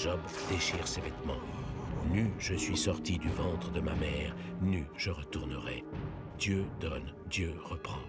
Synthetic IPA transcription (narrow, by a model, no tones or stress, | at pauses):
ʒɔb | d̪eʃiʁsevɛt̪mɑ̃nyʒəsɥisɔʁt̪id̪yvɑ̃t̪χəd̪əmamɛːʁ | nyʒəʁət̪uʁnəʁɛ̰ | d̪̥jød̪ɔn | d̪jøʁəpχɑ̃